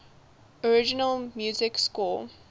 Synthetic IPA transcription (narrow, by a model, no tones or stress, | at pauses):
ɔɹɪd͡ʒɪnəlmjuːzɪkskɔ